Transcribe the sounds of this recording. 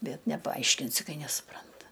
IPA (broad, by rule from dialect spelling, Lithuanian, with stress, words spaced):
ˈbʲɛt nʲɛpɐˈɐɪʃʲkʲɪnʲsʲɪ ˈkɐɪ nʲɛsʊˈprɐntɐ